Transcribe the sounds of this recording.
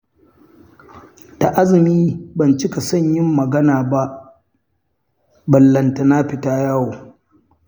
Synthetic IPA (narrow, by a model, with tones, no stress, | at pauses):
ta˨ʔa˦zɪ˨miː˦bɐ˨nt͡ʃɪ˦ka˨sɐ˦˨ɲjɪ˦mːɐ˨ɡɐ˦naː˨ba˦ʔ | bɐ˨lːɐ˨nta˨na˦ɸɪ˨taː˦jaː˦woː˨